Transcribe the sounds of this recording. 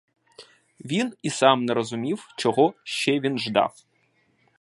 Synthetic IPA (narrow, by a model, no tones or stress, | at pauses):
ʋʲinisamnɛɾɔzʊmʲiwt͡ʃɔɣɔʃt͡ʃːɛʋʲinʒd̪ɑ̰w